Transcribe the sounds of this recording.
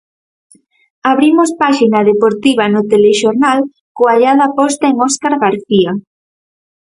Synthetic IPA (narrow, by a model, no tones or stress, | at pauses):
aβɾimospaʃinaðepoɾt̪iβ̞anʊt̪eleʃoɾnal | koaʎaðapɔst̪aeŋɔskaɾɣaɾθia